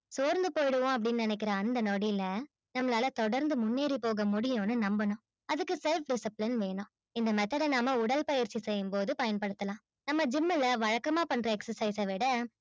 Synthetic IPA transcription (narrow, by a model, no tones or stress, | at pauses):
soːɾnd̪ɯpoːjɽɯʋʊ̃ɐp̬ːɐɽɪnːɯnɪnɛk̬ːɪɾɐːnd̪ɐnoɽilɐ | nɐmːɐlaːlɐt̪ɔɽɐɾnd̪ɯmʊnːeːɾipoːɣɐmʊɽɪjõːnɯnɐmbɐnʊ̃ | ɐðɯkːɯsɛlfɖɪsɐplɪnʋeːɳʊ̃ | ɪnd̪ɐmɐt̪ːɐlɐnaːmɐʊɽɐlpɐjɪɾt͡ʃːisɛjːɯmpoːðɯpɐjɐnpɐɽɯt̪ːɐlãː | nɐmːɐd͡ʒɪmːɐlɐʋɐɻɐkːɐmaːpɐɳɾɐɛksɐɾsɐɪsɐʋɪɽɐ